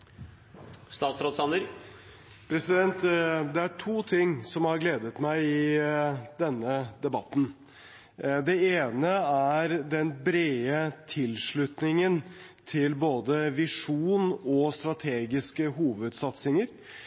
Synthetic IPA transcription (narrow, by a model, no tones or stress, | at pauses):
st̪ɑːt̪sɾoːt̪sɑnəɾ | pʰɾɛsɪd̪ɛnt̪d̪ɛæʈʰuːt̪ʰɪŋːsɔmhɑɾɡleːd̪ət̪mæɪɪ | d̪ɛnːəd̪ɛbɑt̪ːn̩ | d̪ɛeːnəæɾd̪ɛnbɾeːət̪ʰɪlʂɭʉt̪nɪŋənt̪ʰɪlboːd̪əʋɪʂuːnɔst̪ɾɑt̪ʰeːɡɪskəɦuːʋəd̪sɑt̪sɪŋəɾ